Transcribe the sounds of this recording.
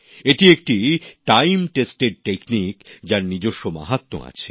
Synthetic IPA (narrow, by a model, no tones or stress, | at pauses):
eʈiek̚ʈiʈajmʈesʈeɾʈeknikd͡ʑaɾnid͡ʑoʃːoma̰ɦat̪ːo̰a̰t͡ɕʰe̥